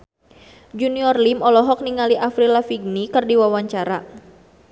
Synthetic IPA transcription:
d͡ʒuniɔrlimɔlɔɦɔk̚niŋaliʔafɾilafiɡ̚nikɨrdiwawaɲt͡ʃaɾa̰

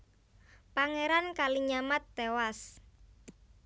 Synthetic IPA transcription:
paŋeɾankaliɲamat̪̚d̪̥ewas

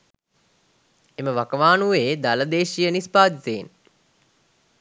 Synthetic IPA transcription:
eməʋakəʋaːnuʋeːd̪aləd̪eːʃijənispaːd̪it̪eːn

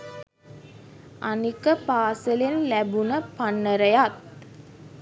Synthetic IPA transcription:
ʔanikəpaːsəlenlæbunəpanːəɾəjat̪̚

